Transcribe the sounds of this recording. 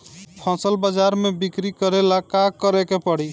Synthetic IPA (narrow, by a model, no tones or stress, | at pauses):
pʰɔ̃səlbad͡ʒaɾmebikɾikəɾelakakəɾekepəɽi